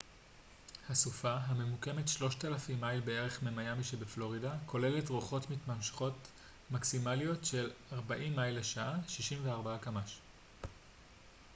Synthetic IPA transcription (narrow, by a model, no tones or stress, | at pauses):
hasufaɦame̞muke̞metʃlo̞ʃtalafimːajlbe̞e̞ʁe̞χmemajamiʃebeflo̞ʁidakʰo̞le̞le̞tʁoχo̞tmitmamʃe̥χo̞t | maksimalijo̞tʃe̞laʁbaʔimːajleʃaʔaʃiʃimveaʁbaakamaʃ